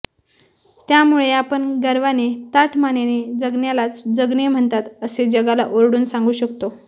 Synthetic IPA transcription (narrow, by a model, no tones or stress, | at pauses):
t̪jamuɭeapəɳɡəɾʋanet̪aʈʰmanened͡zəɡnjalat͡sd͡zəɡnem̤əɳt̪at̪əsed͡ʑəɡalaʔoɾɽuːnsãŋɡuːɕəkt̪o